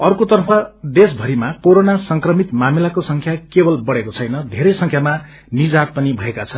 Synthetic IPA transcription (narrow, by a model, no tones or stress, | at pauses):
ʌrkot̪ʌrpʰʌd̪esbʱʌɾimakoɾonasʌŋkrʌmit̪mamilakosʌŋkʰjakebʌlbʌɽekot͡sʰʌjnʌd̪ʱeɾʌjsʌŋkʰjama | nid͡zat̪̚pʌnibʱʌekat͡sʰʌn